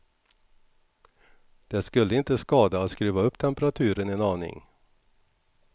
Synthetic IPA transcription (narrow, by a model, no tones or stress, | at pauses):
d̪̥ɛskɵlːəɪnt̪əskɑːd̪at̪skɾʉːvaɵpːt̪ʰɛmpəɾat̪ʰʉ̟ːɾənɛnɑːnɪ̰ŋ